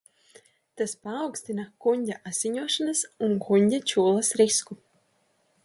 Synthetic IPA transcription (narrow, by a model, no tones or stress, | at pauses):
t̪aspaːwksʲt̪inakuɲʲɟʲaʔaz̥ʲiɲuɔʃanasunkʰuɲʲdʲat͡ʃuːlˠasɾisku